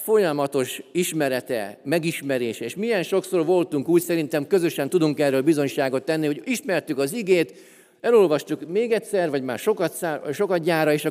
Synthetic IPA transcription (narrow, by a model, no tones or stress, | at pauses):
fo̞jɒmɒt̪o̞ʃiʃmɛɾɛt̪ɛ̰mɛɡiʃmɛɾeːʃɛeːʃmijɛnʃo̞ksorvo̞lt̪uŋkuːcsɛɾint̪ɛmkø̞zø̞ʃɛnt̪ud̪uŋkɛrːøːlbizo̞ɲʃaːɡo̞t̪ːɛnːiɦo̞ɟiʃmɛrt̪ykɒziɡeːt̪ | ɛlo̞lvɒʃt̪ukmeːɡɛtsɛrvɒɟmaːrʃo̞kɒt̪saːʃo̞kɒt̪̚ɟaːrɒeːʃɒ